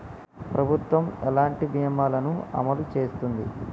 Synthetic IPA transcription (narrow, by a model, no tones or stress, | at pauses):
pɾɐbʱut̪ʋɐmɛlaːɳʈibʱijɐmaːlɐnuɐ̰mɐlut͡ʃeːst̪und̪ḭ